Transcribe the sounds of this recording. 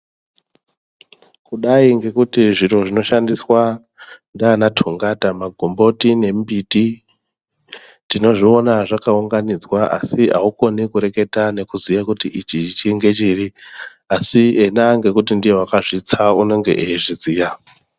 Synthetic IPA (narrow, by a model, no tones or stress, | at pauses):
kuɗaiŋɡe̞kutiʐiɾo̞ʐino̞ʃandiswa | ndaanatʰuŋɡatamaɡʱombo̞tine̞mbiti | tino̞ʐio̞naʐakauŋɡanid͡zwaʔa̰siɦa̰uko̞nikuɾe̞ke̞tane̞kuzijakutiʔit͡ʃit͡ʃit͡ʃiŋɡe̞t͡ʃiri | asienaŋɡe̞kut̬indijewakaʐit͡sauno̞ŋɡe̞̰ʔeiʐiziːja